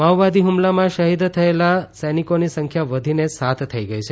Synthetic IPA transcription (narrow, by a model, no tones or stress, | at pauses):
maʋʋad̪iɦumlamãʃəɦid̪t̪ʰəelasənikonisəŋkʰjaʋəd̪ʱinesat̪ʰt̪ʰːəiɡəit͡ʃʰe